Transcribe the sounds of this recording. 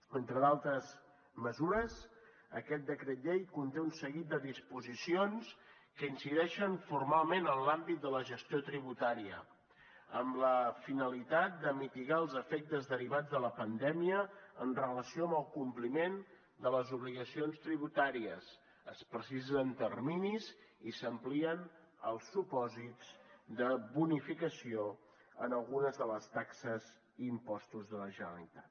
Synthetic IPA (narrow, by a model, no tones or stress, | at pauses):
ənt̪ɾəðalˠt̪ɾəz | məzuɾəz | əkɛt̪̚d̪əkɾət̪ʎejkunt̪eunsəɣit̪̚d̪əðispuzisions | kəinsiðɛʃənfuɾmalˠmenənlambit̪̚d̪ələʒəst̪jot̪ɾiβ̞ut̪aɾiə̰ | əmləfinəlit̪at̪̚d̪əmit̪iɣaəlˠzəfɛk̚t̪əzðəɾiβad͡zðələpənd̪ɛmiəːnrələsioəmbəlˠkumplimen | d̪ələzuβliɣəsionst̪ɾiβ̞ut̪aɾiəs | əspɾəsizənt̪ərminizisəmpliən | ə̰lˠsːupɔzit͡sd̪əβunifikəsio | ənəlˠɣunəzðələst̪aksəz | impɔst̪uzðələʒənəlit̪at̪